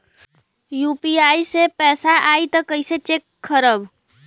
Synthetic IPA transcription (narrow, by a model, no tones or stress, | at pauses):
juːpiaːisepɛːsaaːit̪ɔkəɪset͡ʃekʰːəɾəb